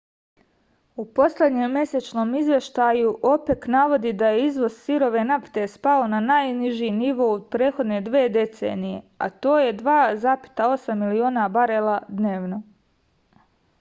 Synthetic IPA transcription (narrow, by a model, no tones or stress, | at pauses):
upo̞sle̞d̪ɲemːje̞set͡ʃno̞ːmizʋje̞ʃt̪ajuʔo̞peknaʋo̞d̪id̪ajeizʋo̞zsiɾo̞ʋe̞napi̥t̪e̞spaonanajniʒiniʋo̞upɾeːt̪xo̞d̪ne̞d̪ʋe̞ːd̪e̞t̪seːnije̞̰a̰t̪o̞ːje̞d̪ʋaːzaːpi̥t̪ao̞samːilioːnabaɾelˠad̪neːʋno̞